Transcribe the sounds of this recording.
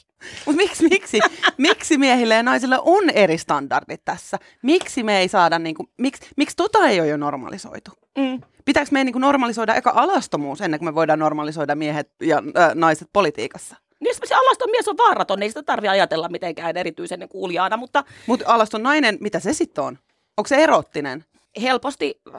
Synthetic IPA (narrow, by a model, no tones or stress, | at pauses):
mut̪miksmiksimiksimiɛhilːejɑnɑisilːeʔonerist̪ɑndɑ̰rdit̪t̪æsːæ | miksimeeisɑːdɑnniːŋkumiksmikst̪ot̪ɑejojonormɑ̰liso̰it̪uː | pit̪æksmeijniːŋkunormɑlisoidɑʔḛkɑʔɑlɑst̪omuːsenːeŋkumeʋoidɑːnnormɑlisoidɑmmiɛhet̪̚jɑːnɑiset̪̚polit̪ḭːkɑsːɑ̥ | niseseɑlɑst̪omiesoʋʋɑːrɑt̪onːeisit̪æt̪ɑrʋiɑjɑt̪elːɑmmit̪eŋkæːneɾit̪yisenːeŋkuːljɑːnɑmut̪ːɑmut̪ɑlɑst̪onnɑinenmit̪æsesit̪ːon | oŋkseerot̪ːinen | helpost̪i